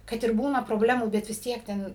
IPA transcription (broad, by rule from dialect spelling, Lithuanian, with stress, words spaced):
kɐt ɪr ˈbuːnɐ proːˈbʲlʲæːmuː bʲɛt ʋʲɪs ˈtʲiɛk ˈtʲɛn